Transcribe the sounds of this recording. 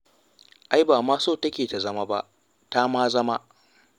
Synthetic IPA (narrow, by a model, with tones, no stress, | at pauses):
ʔa˦jbaː˨maː˦soː˦˨tɐ˦kʲeː˨ta˨zɐ˦ma˦ba̰˦ʔ | ta˦maː˦zɐ˦ma˦ʔ